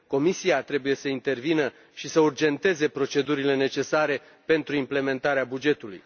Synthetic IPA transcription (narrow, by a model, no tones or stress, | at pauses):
ko̞misiat̪ɾe̞buje̞səint̪e̞rvinə | ʃisəurd͡ʒe̞nt̪e̞ze̞pɾo̞t͡ʃe̞d̪uɾile̞ne̞t͡ʃe̞saɾe̞ | pe̞nt̪ɾuimple̞me̞nt̪aɾeabud͡ʒe̞t̪ulṵj